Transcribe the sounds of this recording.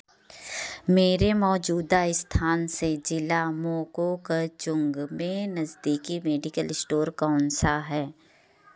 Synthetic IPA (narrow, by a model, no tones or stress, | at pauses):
meːɾemɔːd͡ʒuːd̪aɪst̪ʰaːnsed͡ʒɪlamoːkokat͡ʃʊ̃ŋɡmẽnɐzd̪iːkimeːɖɪkəlɪsʈoːɾkaːʊnsaɦɛː